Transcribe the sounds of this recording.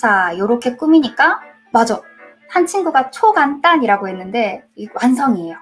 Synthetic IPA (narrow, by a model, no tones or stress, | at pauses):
sʰajoɾʌkʰe̞k͈umiɲik͈a | mad͡ʑa | hant͡ɕʰinɡuɡat͡ɕʰoɡant͈aɲiɾaɡoɦe̞nːɯnde̞wansʰʌŋiejo